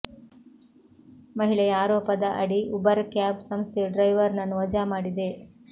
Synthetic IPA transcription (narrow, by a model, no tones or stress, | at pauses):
mɐɦiɭɐjɐaːɾɔːpɐd̪ɐʔɐɽiubɐɾkjaːbsɐmst̪ʰeɖɾɐjʋɐɾnɐnːuʋɐd͡ʒaːmaːɽid̪e